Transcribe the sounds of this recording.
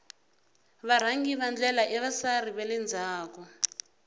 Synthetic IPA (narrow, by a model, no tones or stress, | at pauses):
βaɾ̤aŋɡiβand͡ɮɛlaʔɛβasariβɛlɛnd͡zʱaːkɔ